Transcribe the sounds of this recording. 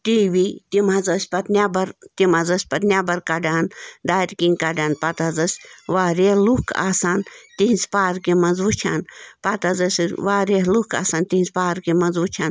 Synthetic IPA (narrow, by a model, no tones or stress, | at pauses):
t̪iːʋiːt̪imɦɐzɐsʲpɐt̪nʲaːbɐɾt̪imɐzɐsʲpɐt̪nʲaːbɐɾkɐɖaːnd̪aːɾʲkĩŋkɐɖaːnpat̪ɐzɐsʲʋaːɾehlukʰa̰ːsaːnt̪iɦĩnʲzpaːɾkemɐnzʋut͡ʃʰaːnpat̪ɐzɐsʋaːɾeɦluka̰ːsaːnt̪iɦnzpaːɾkemɐnzʋut͡ʃʰaːn